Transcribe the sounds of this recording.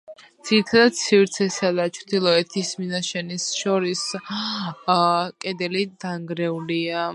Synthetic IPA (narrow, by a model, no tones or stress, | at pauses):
d̪z̥iɾit̪ʰad̪ad̪̚sʰivɾt̪sʰɛsad̪at͡ʃʰt̪ʰilˠɔɛt̪ʰisminaʃɛnisʃɔɾis | kʼɛd̪ɛlid̪aŋɡɾɛulia